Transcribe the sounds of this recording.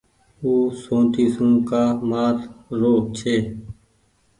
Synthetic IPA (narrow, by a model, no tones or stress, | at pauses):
uːsõːt̪iːsũːkaːmaːt̪ɾoːt͡ʃʰeː